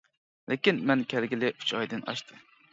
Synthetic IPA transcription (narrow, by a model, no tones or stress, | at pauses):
lɪkʲinmɛnkʲʰæɾɡʲɪlɪy̥t͡ʃɑjd̪ɨnɑ̰ʃt̪ʰɨ